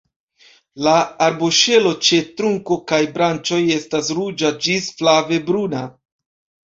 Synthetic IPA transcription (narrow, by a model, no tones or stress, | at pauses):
laːɾboʃe̞lo̞t͡ʃe̞tɾuŋko̞kajbɾant͡ʃo̞je̞stasɾud͡ʒad͡ʒisflave̞bɾuna